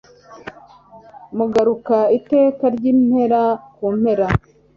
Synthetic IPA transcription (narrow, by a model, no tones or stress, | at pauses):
muɡaɾukaite̞ːkaɾɟiːmhe̞ɾakum̥he̞ɾa